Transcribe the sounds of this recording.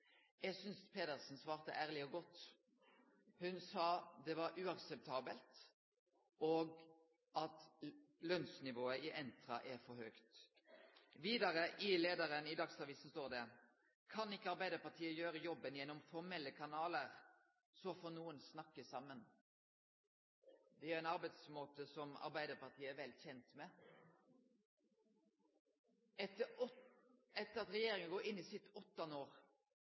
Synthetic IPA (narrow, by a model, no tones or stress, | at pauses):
jɛɡsʏnspʰeːd̪əʁsn̩sʋɑːʁt̪ə̰ʔæːʁlɪɔɡɔt̪ː | hʉnsɑːd̪ɛʋɑɾʉːɑksɛp̚t̪ʰɑːbəlt̪ | oːɡ | ɑt̪lœnsnɪʋoːəɪʔɛnt̪ɾɑʔɛfɔɾhøːkt̪ | ʋiːd̪ɑɾəʔɪleːd̪əɾənɪd̪ɑksɑʋiːsən̩st̪oːʁɾd̪ɛ | kʰɑnɪkːəɑɾbæɪd̪əpɑt̪ʰiːəjøːɾəjɔbənjɛnːɔmfɔʁmɛlːəkʰɑnɑːləɾ | sɔfɔːnuːənsnɑkːəsɑmːən | d̪ɛæɾæɪnɑɾbæɪd̪smoːt̪əsɔmɑ̰ɾbæɪd̪əʁpɑʁt̪ʰiːəæɾʋɛlçɛnt̪mɛ | ɛt̪ə | ɛt̪ːəɾɑt̪ɾɛjeːɾɪŋənɡoːɾɪnːɪsɪt̪ɔt̪ːɑnəoːɾ